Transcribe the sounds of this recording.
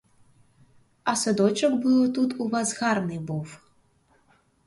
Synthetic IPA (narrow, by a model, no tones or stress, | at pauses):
ɐsɨd̪ɔt͡ʃɐkbɨwt̪ut̪uvazɣarnɨbɔw